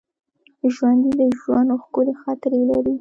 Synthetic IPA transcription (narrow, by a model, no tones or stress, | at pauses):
ʒwand̪ed̪əʒwand̪axkʊlexɑt̪ɪɾelaɾi